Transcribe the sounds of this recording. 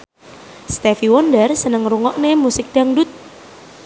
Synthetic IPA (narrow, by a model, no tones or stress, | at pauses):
st̪ɛfiwɔndərsənəŋɾuŋɔʔnemusɪk̚d̥aŋdʊt̪̚